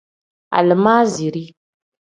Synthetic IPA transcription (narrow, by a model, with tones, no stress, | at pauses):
a̰˨lə˨maː˦zi˨ɾi˦